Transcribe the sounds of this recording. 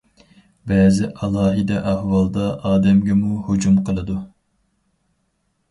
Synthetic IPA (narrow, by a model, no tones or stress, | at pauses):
bɛːzɪʔɑlˠɑːɦid̪ɛʔæhwɑlˠd̪ɑʔɑːd̪ɛmɡʲɛmuhod͡ʒumqʰəlˠɨd̪u